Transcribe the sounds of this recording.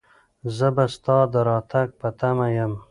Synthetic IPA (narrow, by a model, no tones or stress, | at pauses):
zəbast̪ɑd̪əɾɑt̪ak̚pət̪amajəm